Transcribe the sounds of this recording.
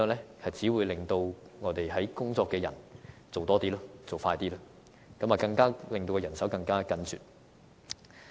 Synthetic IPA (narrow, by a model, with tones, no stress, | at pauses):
ŋlɛː˥hɐ˨jt͡siː˨˥wuː˨˧jlɪ˨ŋt̪o˧wŋɔː˨˧t̪e˨jɦɐ˨˥jkʊ˥ŋt͡sɔː˧kːɛː˧jɐ̰˨˩nt͡so˨wt̪ɔː˥t̪iː˥lɔː˥t͡so˨˩wfaː˧jt̪iː˥laː˥ | kɐ˨˥maː˨˩kɐ˧ŋkaː˥lɪ˨ŋt̪o˧kɛ˧jɐ˨˩nsɐ˨˥wkɐ˧ŋkaː˥kɐ˨˧nt͡sʰy̰ː˨t̚